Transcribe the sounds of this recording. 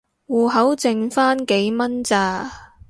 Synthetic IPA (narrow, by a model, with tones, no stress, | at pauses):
wuː˨˩ɦɐ˨˥wt͡sɪ˨ŋfaː˥nke˨˥jmɐ˥nt͡saː˨˧